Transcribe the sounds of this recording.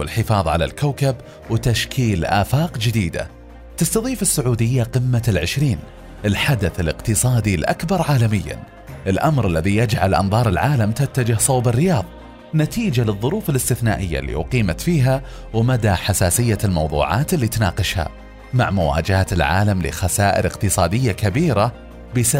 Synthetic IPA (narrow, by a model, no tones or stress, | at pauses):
wɪlħɪfɑːðˤʕala̰lkawkab | wɪt̪aʃkʰiːlʔa̰ːfɑːqd͡ʒɪd̪iːd̪a̰ | t̪ɪst̪ɑðˤiːfɪsːʊʕuːd̪ɪjːaqɪmːalʕɪʃɾiːn | ʔɪlħad̪aθɪlɪqt̪ɨsˤɑːd̪ilʔa̰kbɑɾˤʕaːlamɪjːa̰n | ʔɪlʔamɾɪlːaðijad͡ʒʕalʔɑ̰nðˤɑːɾˤɪlʕaːlamt̪at̪ːad͡ʒɪhsˤɑwbɪrːɪjɑːðˤ | nat̪iːd͡ʒalɨðˤːʊɾuːfɪlɪst̪ɪθna̰ːʔɪjːa̰lːḭʔʊqiːmat̪fiːɦa | wmad̪aħasaːsɪjːalmɑwðˤṵːʕɑ̰ːt̪ɪlːiːt̪nɑ̰ːqɪʃha̰ | ma̰ʕmʊwa̰ːd͡ʒaat̪ɪlʕa̰ːlamlɪ̰xasaːʔɪ̰ɾɪqt̪ɨsˤɑːd̪ɪjːakabiːɾa | bɪsa